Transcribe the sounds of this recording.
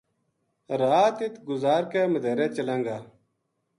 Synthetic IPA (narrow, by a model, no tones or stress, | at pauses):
ɾaːt̪it̪ɡʊzaːɾkeːməd̪ʱeːɾeːt͡ʃəlaŋɡaː